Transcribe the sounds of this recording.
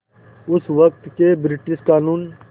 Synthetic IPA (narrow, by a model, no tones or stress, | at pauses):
ʊsʋək̚t̪keːbɾɪʈɪʃkaːnuːn